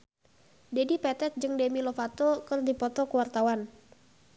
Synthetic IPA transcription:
dɛdipɛt̪ɛt̪̚d͡ʒɨŋdɛmilɔfat̪ɔkɨrdipɔt̪ɔkəwart̪awan

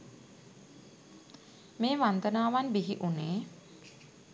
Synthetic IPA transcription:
meːʋant̪ənaːʋanbiɦiʔuneː

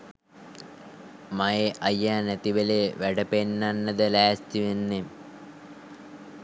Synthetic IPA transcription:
majeʔɐjːaːnæt̪iʋeleːʋæɖəpenːanːəd̪əlæːst̪iʋenːe

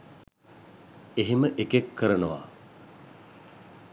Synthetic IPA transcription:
eɦeməʔekekʰːəɾənəʋa̰ː

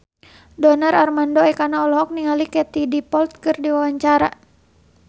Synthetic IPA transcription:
dɔnararmandɔɛkanaɔlɔɦɔk̚niŋalikɛt̪idipɔlt̪̚kɨrdiwawaɲt͡ʃaɾa̰

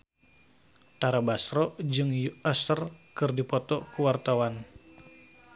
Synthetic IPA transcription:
t̪aɾabasɾɔd͡ʒɨŋjuəsərkɨrdipɔt̪ɔkuwart̪awan

